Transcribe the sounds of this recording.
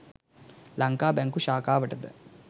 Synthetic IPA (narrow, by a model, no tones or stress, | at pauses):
lɐŋkaːbɐŋkuʃaːkaːʋɐʈːɐd̪ɨ̰